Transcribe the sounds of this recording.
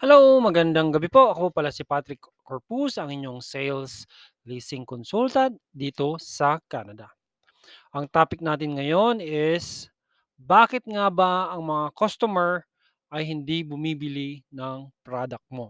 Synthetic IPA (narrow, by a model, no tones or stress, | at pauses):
hɛlowmɐɡɐnd̪aŋɡɐbipo̞ʔɐko̞paːlasɪpat̪ɾɪkː | oɹpusɐŋɪɲjo̞ŋsɛjls | liːsɪŋkonsult̪ɐd̪d̪iːt̪o̞sɐkaːnɐd̪ɐ | ʔɐŋt̪aːpɪk̚naːt̪̬ɪnŋɐjo̞nɪs | baːkɪt̪̚ŋabɐɐŋmɐŋakost̪omɛɹ | ʔɐjɦɪnd̪ibʊmiːbɪlinɐŋt̪ɾaːd̪ɐk̚mo̞